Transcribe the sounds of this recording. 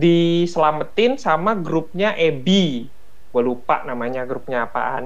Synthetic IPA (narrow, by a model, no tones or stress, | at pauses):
disəlamət̪ɪnsamaɡɾʊp̚ɲaʔɛbi | balupa̰ʔnamaɲaɡɾup̚ɲaːpa̰an